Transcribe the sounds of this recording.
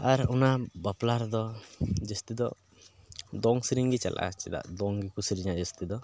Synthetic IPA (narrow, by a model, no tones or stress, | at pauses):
aɾunabaplaɾd̪ɔd͡ʒɛst̪id̪ɔ | d̪ɔŋsiɾiŋɡit͡ʃa̰lʔa̰t͡ʃɛd̪a̰ʔd̪ɔŋɡikusiɾiɲad͡ʒɛst̪id̪ɔ